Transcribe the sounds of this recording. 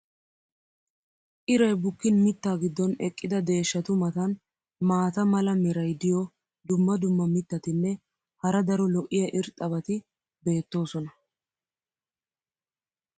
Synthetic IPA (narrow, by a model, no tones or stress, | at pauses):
ʔɪɾɐjbʊkːɪnmɪt̪ːaːɡɪd̪ːɔnɛkʼːɪd̪ɐd̪e̞ːʃːɐt̪ʊmɐt̪ɐn | maːt̪ɐmɐlɐmɛɾɐjd̪ɪjɔ | d̪ʊmːɐd̪ʊmːɐmɪt̪ːɐt̪ɪnːɛ | hɐɾɐd̪ɐɾɔlɔʔɪjɐʔɪɾt̪ʼɐbɐt̪ɪ | be̞ːt̪ːo̞ːsɔnɐ